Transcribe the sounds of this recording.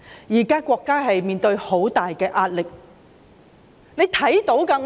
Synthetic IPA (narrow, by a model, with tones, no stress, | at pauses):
jiː˨˩kaː˥kʷwʷɔː˧kːaː˥ɦɐ˨jmiː˨nt̪ɵ˧ɥho˨˥wt̪aː˨jkɛː˧ʔaː˧t̚lɪ˨k̚ | ne˨˧jt̪ʰɐ˨˥jt̪o˨˥wkɐː˧